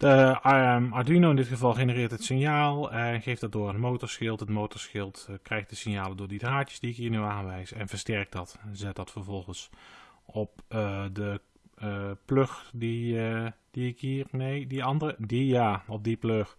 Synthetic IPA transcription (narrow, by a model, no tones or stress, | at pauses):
ə | ɑdinoɪndɪtχəvɑlˠxenərɪːɹtɦətsɪnjaːlˠnχejftd̥ɑt̚dʊːrətmowtɔɹsxɪlˠtɦətmowtɔɹsxɪlˠtkrɛjxtdəsɪnjaːlədʊːɹdidraːtjə̥sdiɪkɦiːɹnyaːnʋɛjsɛnvəɹstɛrk̚dɑtzɛt̚dɑtfəɹvɔlˠχəns | ɔpdə | pløxdi | d̥iɪkɦiːrnejdiɑndərədijaːɔp̚dipløx